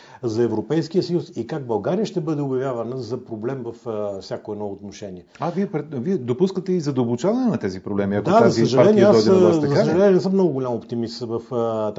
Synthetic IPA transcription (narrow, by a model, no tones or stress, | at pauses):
zɐɛvɾopɛjskijəsɐjusikaɡ̚bɐlˠɡaɾijəʃt̪ɛbɤd̪ɛʊbjɐvʲjavɐnəzɐpɾoblɛmvɐffsʲjakoɛd̪nɔot̪noʃɛniɛaviɛpɾɛviɛd̪opuskət̪ɛizɐd̪ɐbʊt͡ʃavɐnɛnɐt̪ɛzipɾoblɛmiɐkd̪azaɐsiɐʒɐaɾlɛniɛasɔɔj̪d̪zɐsəʒɐlɛnɛnɛsəmnɔɡʊɡoʊlʲamopt̪imist̪vɐft̪